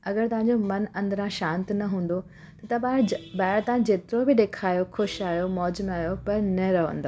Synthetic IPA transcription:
ɐɡəɾt̪ɐʋãɲd͡ʑomɐnɐ̃nd̪əɾãʃãːnt̪nɐɦũːn̆d̪o | t̪ɐt̪ɐbaːbaːɪɾt̪ãd͡ʑeːt̪ɪɾobɪɗeːkʰaːjoxʊʃaːjomɔːd͡ʑmaːjopɐɾnɐɾɐɦə̰̃nd̪oː

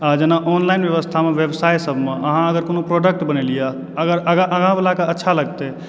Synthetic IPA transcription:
ad͡ʒenaʔɔːnlaɪnbjeʋəst̪ʰameʋebsaːjsəbʱmeʔəɦãəɡəɾkonopɾoɖək̚ʈbənelija | əɡəɾəɡaʔəɡãbəlakeətːʃʰaləɡt̪e

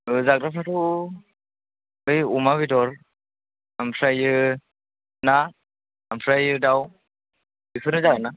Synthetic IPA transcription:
ɯzak̚dapʰatʰɔ | ɯjumaβidɔɾ | ampʰɾajɯ | na | ampʰɾajɯdaw | bipʰɯɾnɯzakana

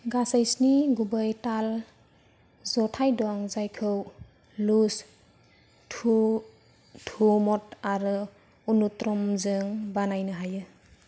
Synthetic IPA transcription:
ɡasajsniɡubəjtal | zɔtʰajdɔaŋzajkʰɯw | lus | tʰu | tʰumɔtaɾɯ | unutɾɔmzɯŋbanajnɯɦajɯ

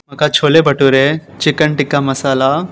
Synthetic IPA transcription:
mɐkat͡ʃʰoːlebɐʈuɾet͡ʃɪkəɳʈɪkːamɐsaːla

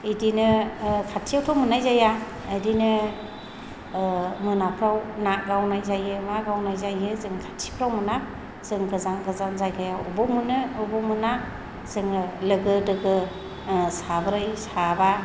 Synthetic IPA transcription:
idinɯkʰatʰijawtʰawmɯnajzaja | ɯdinɯ | mɯnapʰɾawnaɡawnajzajɯmaɡawnajzajɯzɯŋkʰatʰi̥pʰɾawmɯna | z̥ɯŋɡɯzaŋɡɯzanzajɡajawɔbɔmɯnɯːbɔmɯna | z̥ɯŋlɯɡɯdɯɡɯ | sabɯɾajsaba

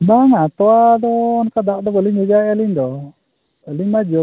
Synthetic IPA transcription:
baŋat̪ɔwad̪ɔːnkad̪aʔd̪ɔbəliɲhəd͡ʒaəliɲd̪ɔ | əliɲmad͡ʒɔ

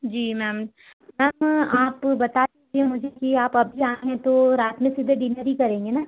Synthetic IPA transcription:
d͡ʒiːmɛːm | mɛːmaːpbɐt̪ad̪id͡ʒiemʊd͡ʒʱekiaːpɐbʱiaːẽɦet̪oɾaːt̪mẽsɪd̪ʱeɖɪnəɾikɐɾẽːŋɡenaː

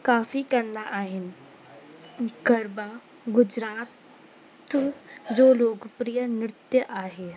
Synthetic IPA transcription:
kaːfikɐɾnaʔaːɦɪn̆ | ɡɐɾbaː | ɡʊd͡ʒɾaːt̪ | d͡ʒoːloːɡpɾijənɪɾɪt̪jəʔaːɦeː

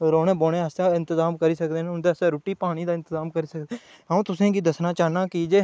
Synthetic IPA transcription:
ɾoːɽẽːboːɽẽːəsaːɪnt̪əzaːmkəɾiːsəkd̪eːñːʊnd̪eːəsẽːɾuːʈiːpaːɽ̃iːd̪aːɪnt̪əzaːmkəɾiːsəkd̪e | ɦaũːt̪ʊsẽːɡiːd̪əsnaːt͡ʃaːnaːkiːd͡ʒeː

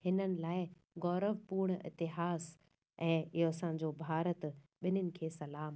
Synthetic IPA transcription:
hɪnənɪ̆laːɪ | ɡɔːɾəʋpuːɾɽ̃ɪ̰t̪ɪɦaːs | ɛ̃ːɪɦoɐsã̆ːd͡ʑoːbʱaːɾət̪ɓɪnʊnɪ̆kʰeːsɐlaːm

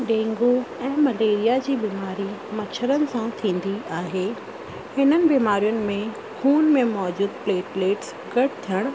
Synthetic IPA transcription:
ɖẽːŋɡoɛ̃ːmɐleːɾijad͡ʑiːbiːmaːɾimɐt͡ɕʰəɾənɪ̆sãt̪ʰĩːn̆d̪iaːɦeː | hɪnənɪ̆biːmaːɾijʊnɪ̆mẽ | xuːnmẽmɔːd͡ʑuːd̪pleːʈleːʈs | ɡɐʈʰt̪ʰijəɽ̃

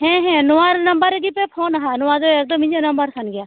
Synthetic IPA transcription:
ɦɛ̃ːɦɛ̃ːnʊaːɾnəmbəɾɡipepʰoːnɦaːnʊaːd̪oək̚d̪əmːɪ̃ɲd͡ʒanəmbəɾsənɡɪjaː

